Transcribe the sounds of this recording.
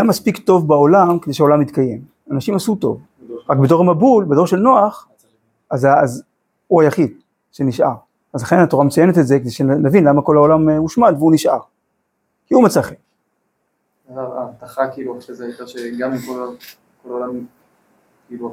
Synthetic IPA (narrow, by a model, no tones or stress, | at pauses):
jamːaspikt̪o̞vbao̞lamkedejʃeaolamit̪kajem | anaʃimasut̪o̞̰v | ʁak̚bedo̞ʁamabulbedo̞ʁʃe̞lnoaχ | ʔazaaz | uajaχid̪̚ | ʃeniʃʔa̰ʁ | azlaχe̞nato̞ʁamet͡sajenet̪ezeked̪ejʃenavinlamako̞laolamuʃmad̪veuniʃʔa̰ʁ | kiumet͡saχek | aaaːvt̪aχakiːluaχʁezeait̪aʃeɡamimkola | kolaolam | kiːlu